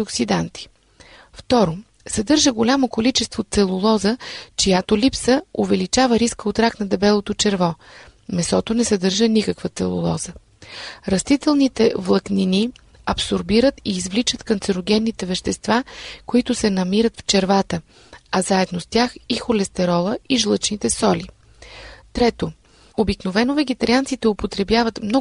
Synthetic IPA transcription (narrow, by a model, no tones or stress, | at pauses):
oksid̪ant̪i̥ | ft̪ɔɾo | sɐd̪ɤɾʒəɡolʲamokolit͡ʃɛst̪vot̪sɛlˠʊlˠɔzət͡ʃijat̪olipsəovɛlit͡ʃavəɾiskəot̪ɾaknɐd̪ɛbɛlˠot̪ot͡ʃɛɾvɔ | mɛsɔt̪onɛsɛd̪ɤɾʒənikəkvət̪sɛlˠʊ̰lˠɔ̰zə | ɾɐst̪it̪ɛlˠnit̪ɛvlˠɐknini | ɐpsoɾbiɾət̪iːzvlit͡ʃət̪kɐnt̪sɛɾoɡʲɛnːit̪ɛvɛʃt̪ɛst̪vakoit̪ʊsɛnɐmiɾət̪ft͡ʃɛɾvat̪ə | ɐzaɛd̪nost̪ʲjaxixolɛst̪ɛɾɔlˠəiʒlˠɤt͡ʃnit̪ɛsɔli | t̪ɾɛt̪o | obiknovɛnovɛɡɛt̪ɐɾiant̪sit̪ɛopot̪ɾɛbjavət̪mnɔ